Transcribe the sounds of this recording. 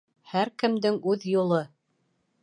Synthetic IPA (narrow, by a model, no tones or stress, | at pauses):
hæɾkɘ̆md̪ɘŋʉðjulˠɤ